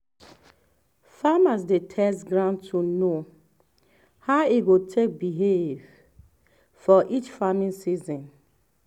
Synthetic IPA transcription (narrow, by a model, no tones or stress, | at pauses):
famasdetʰɛsɡɹãʊ̃ntʰuno | haʊiɡotʰek̚biɦev̥ | fɔʔit͡ʃfamĩnsizɔ̃n